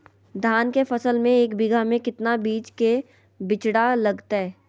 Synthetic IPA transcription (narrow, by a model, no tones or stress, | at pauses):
d̪ʱaːnkefɐsəlmẽeːkbɪɡʱamẽkɪt̪nabiːt͡ʃke | bɪt͡ʃɽalɐɡt̪aɦɛː